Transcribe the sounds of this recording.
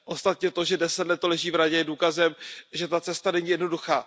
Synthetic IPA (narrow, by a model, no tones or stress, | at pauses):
ʔo̞st̪at̪ɲɛt̪o̞ʒɛdɛsɛt̪lɛt̪ːolɛʒiːvɾaɟɛjɛduːkazɛmʒɛt̪at͡sɛst̪anɛɲiːjɛdnoduxaː